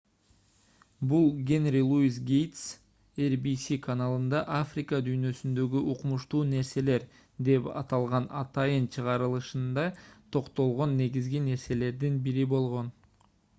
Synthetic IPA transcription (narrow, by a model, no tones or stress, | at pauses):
bulˠɡʲe̞nɾʲilˠuisɡʲejt̪s | erbisikʰanalˠɯnd̪ɑʔafrʲikəd̪yjnø̞synd̪ø̞ɡyʔuqumuʃt̪uːne̞ɾse̞le̞ɾ | d̪e̞pɑ̰t̪ɑlˠʁɑnɑt̪ɑjɯnt͡ʃʰɯʁɑɾɯlˠɯʃɯnd̪ɑt̪ʰo̞qt̪o̞lˠʁo̞nːe̞ɡizɡine̞ɾse̞le̞ɾd̪inbiɾibo̞lˠʁo̞n